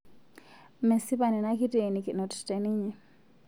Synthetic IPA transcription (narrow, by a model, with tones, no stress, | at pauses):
me˨si˦pa˨ni˨na˦ki˦te˨ni˨ki˨no˨tte˨ni˦ɲɛ˨